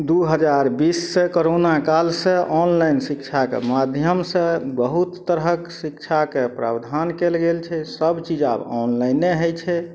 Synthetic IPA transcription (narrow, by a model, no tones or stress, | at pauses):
d̪uɦəd͡ʒaɾbisːekoɾonakalsẽʔɔnlajnsik̚t͡ʃʰakḛmad̪ʱjəmsə̃bəɦut̪ːəɾɦəksikt͡ʃʰakepɾa̰bd̪ʱankelɡelt͡ʃʰɛsəbt͡ʃid͡ʒa̰bɔnlajneɦojt͡ʃʰɛ